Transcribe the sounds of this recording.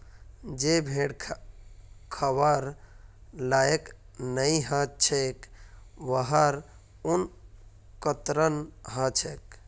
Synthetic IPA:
d͡ʒebʱeɽʰ | kʰəbəɾ | lajek | nəiɦə̃t͡ʃʰekʋəɦəɾ | un | kət̪ɾənɦə̃t͡ʃʰek

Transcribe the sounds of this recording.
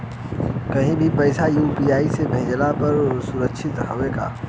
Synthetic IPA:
kɐɦĩbʱipɛːsajuːpiːaːisebʱẽːd͡ʒlapɐɾsʊɾəkːʃʰɪt̪ɦɐʋeka̰ː

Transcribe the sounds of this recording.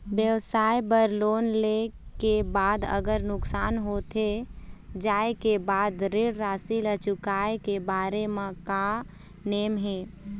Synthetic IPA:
bjəwsaːjbəɾloːnlekebaːd̪ə̰ɡəɾnʊksaːnɦot̪ʰe | d͡ʒaːekebaːd̪ɾeɽɾaːsilət͡ʃʊkaekebaːɾemẽka | neːmɦeː

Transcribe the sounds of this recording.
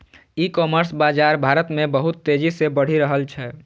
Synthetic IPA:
ikɔməɾsbad͡ʒaɾbʱaɾət̪mẽbəɦut̪ːed͡ʒisebəɽ̤iɾəɦəlt͡ʃʰɛ

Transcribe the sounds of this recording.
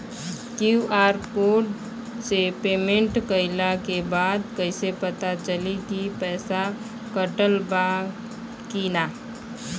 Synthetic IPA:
kjuaːɾpoːʈ | sepeːmẽɳʈkəɪlakebaːd̪kəɪsepət̪at͡ʃəlikipɛːsa | kəʈəlba | kiːnaː

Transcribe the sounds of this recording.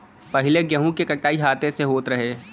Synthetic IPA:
pɐɦɪleɡjəɦũkekɐʈːaːiɦaːt̪eseɦoːt̪ɾɐɦeː

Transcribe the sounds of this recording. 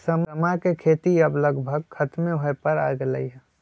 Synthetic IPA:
səməmakekʰeːt̪iɐbləɡbʱəɡ̚kʰɐt̪mẽɦoepəɾa̰ːjɡlə̰iɦɛ

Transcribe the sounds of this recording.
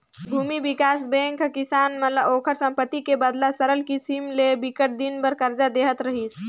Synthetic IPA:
bʱumibikasbẽŋkkisanmət̪ləbokʰəɾsə̃mpət̪ːikebəd̪lasəɾəlkisimlebikəʈ̚d̪inbəɾkəɾd͡ʒad̪eɦət̪ɾəɦis

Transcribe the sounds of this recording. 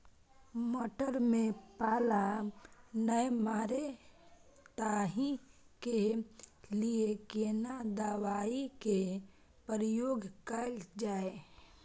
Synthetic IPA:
moːʈəɾmẽpaːla | nəjmaːɾe | t̪aːɦi | ke | liekeːnad̪aːwaːike | pəɾjoːɡkəld͡ʒaːe

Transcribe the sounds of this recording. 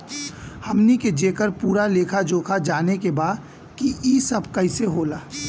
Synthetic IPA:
hɐmniked͡ʒeːkəɾpuːɾaleːkʰad͡ʒoːkʰad͡ʒaːnekebaːd̪ | kiiːsɐbʱkɐɪseɦoːlaː

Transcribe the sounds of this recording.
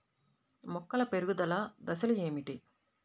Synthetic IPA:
mɔkːɐlɐpeɾuɡud̪ɐlɐd̪ɐsɐlue̞ːmiʈi

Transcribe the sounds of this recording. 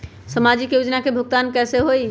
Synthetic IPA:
səmad͡ʒikjod͡ʒnakebʱʊk̚t̪ankɛseɦoi

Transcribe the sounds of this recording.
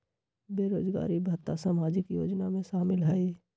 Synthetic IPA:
beːɾoːd͡ʒɡa̰ːɾibʱat̪ːasamaːd͡ʒɪkjoːd͡ʒnamẽʃaːmɪlɦɛi

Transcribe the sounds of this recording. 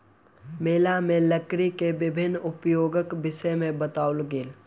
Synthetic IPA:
meːlamẽləkɾikeʋɪbʱɪnːʊpjoːɡəkbɪʃemẽbət̪aːʊlɡeːl

